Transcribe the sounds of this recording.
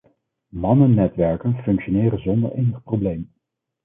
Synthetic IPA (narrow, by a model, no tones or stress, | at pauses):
mɑnənːɛtʋɛɹkənfɵŋkʃonɪːrənzɔndə̰ɹejnəχprowblejm